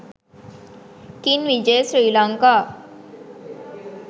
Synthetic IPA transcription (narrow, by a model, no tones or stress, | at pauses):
kinʋid͡ʒejsɾiːlaŋkaː